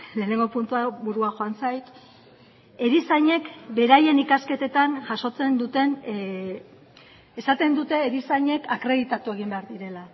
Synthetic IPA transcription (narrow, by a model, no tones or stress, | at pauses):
le̞ːne̞ŋɡo̞punt̪uaβuɾuaʝo̞ansajt̪ | e̞ɾisaɲe̞kbe̞ɾaje̞nikaske̞t̪e̞t̪anʝaso̞t͡se̞nd̪ut̪e̞n | esat̪e̞nd̪ut̪e̞ːɾisaɲe̞kakɾe̞ðit̪at̪ue̞ɣ̞imbe̞aɾðiɾe̞la